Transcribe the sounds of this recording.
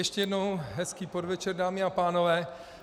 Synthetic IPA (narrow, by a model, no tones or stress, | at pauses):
jɛʃcɛjɛdno̞wɦɛskiːpodvɛt͡ʃɛɾdaːmɪapaːno̞vɛː